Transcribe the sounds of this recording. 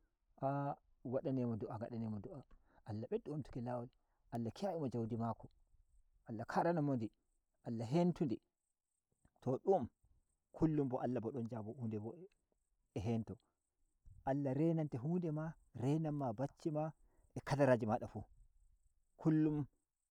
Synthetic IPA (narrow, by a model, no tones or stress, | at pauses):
ʔa | waɗanɛmɔduʔaŋɡa̰ɗanɛmɔduʔa | ʔalːaɓɛɗuumtu̥kɛlawal | ʔalːakijaʔimɔd͡ʒawdimakɔ | ʔalːakʰaɾanamondi | ʔalːaɦentundɛ | tʰɔɗum | kʰulːumbɔʔalːabɔɗɔnd͡ʒabɔhuːndɛbɔɛ | ɛɦɛntɔ | ʔalːaɾɛnantɛɦuːndɛma | ɾɛnamːabat͡ʃːima | ʔɛkadaɾaːd͡ʒimaɗafu | kʰulːum